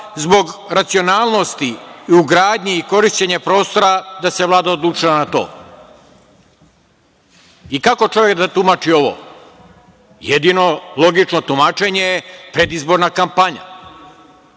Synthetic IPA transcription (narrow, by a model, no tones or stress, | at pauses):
zbo̞ɡɾat̪sio̞naːlˠno̞st̪iːuɡɾaːd̪ɲeiko̞ɾiʃt͡ɕeɲapɾo̞ːst̪o̞ɾad̪ase̞ʋlˠaːd̪aod̪lˠuːt͡ʂilanat̪o̞̰ː | ikako̞t͡ʃo̞ʋjekd̪at̪umat͡ʃio̞ʋo̰ | jed̪ino̞lˠo̞ɡit͡ʃno̞t̪umaːt͡ʃe̞ɲejepɾe̞d̪izbo̞ɾnakampaɲa̰